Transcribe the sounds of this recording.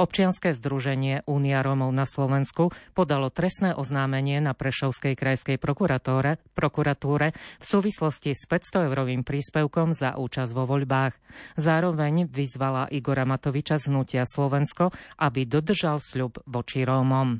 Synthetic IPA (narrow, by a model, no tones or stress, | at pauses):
ɔp̚t͡ʃɪanskɛːzd̪ɾuʒɛɲɪɛʔuːniaɾɔːmɔʊnaslɔʋɛnskupɔd̪alɔt̪ɾɛst̪nɛːʔɔznaːmɛɲɪɛnapɾɛʃɔʊskɛjkɾajskɛj | pɾɔkuɾat̪uːɾɛfsuːʋislɔscispɛst̪ɔɛʊɾɔʋiːmpɾiːspɛʊkɔmza̰ʔuːt͡ʃazʋɔʋɔʎbaːɣzaːɾɔʋɛɲʋizʋalaʔiɡɔɾamat̪ɔʋit͡ʃazɦnucɪaslɔʋɛnskɔʔabid̪ɔd̪r̩ʒalsʎubʋɔt͡ʃiɾɔːmɔm